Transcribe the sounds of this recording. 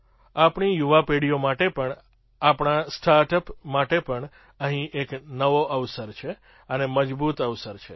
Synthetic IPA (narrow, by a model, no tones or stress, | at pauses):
apɳijuʋapeɽijomaʈepəɳ | apɳ̃asʈʰaɾʈəpmaʈepəɳ | əɦĩʔeknəʋoʔəʋsəɾt͡ʃʰe | əneməd͡ʒbut̪əʋsəɾt͡ʃʰe